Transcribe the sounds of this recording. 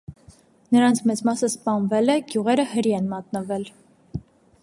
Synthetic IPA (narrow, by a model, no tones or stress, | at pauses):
nəɾɑnt͡sʰmɛt͡smɑsəspɑnvɛlɛɡjuʁɛɾəhəɾiɛnmɑt̪nəvɛl